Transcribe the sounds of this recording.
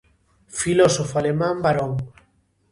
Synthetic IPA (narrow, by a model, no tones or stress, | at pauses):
filɔsofalemãmbaɾɔŋ